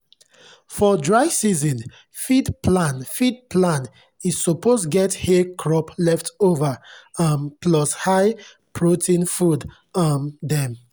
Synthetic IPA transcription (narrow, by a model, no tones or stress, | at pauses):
fɔdɹaɪsizɔ̃n | fidplãnfid̚pʰlãn | isupʰostɡɛthekʰɹɔplɛftovaampʰlɔshaɪ | pʰɹotʰĩnfud | amdɛ̃m